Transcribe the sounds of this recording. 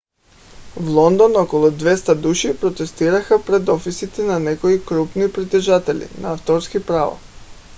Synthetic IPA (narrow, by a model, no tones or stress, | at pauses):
vlˠɔnd̪ɔnɔkɔlˠud̪vɛst̪ad̪uʃipɾot̪ɛst̪iɾaxapɾɛd̪ɔfisit̪ɛnanɛkoikɾupnipɾit̪ɛʒat̪ɛlḭna̰aft̪ɔɾskipɾava̰